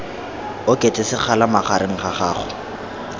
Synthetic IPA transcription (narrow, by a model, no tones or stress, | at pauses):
ʊkʼetʼɪsɪχʰalamaχaɾɪŋ̩χaχa̰ːχʊ